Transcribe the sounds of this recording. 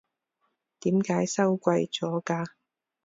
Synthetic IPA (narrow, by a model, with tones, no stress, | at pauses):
t̪iː˨˥mkaː˨˧˥jsɐ˥wkʷɐ˧jt͡sɔː˨˥kaː˧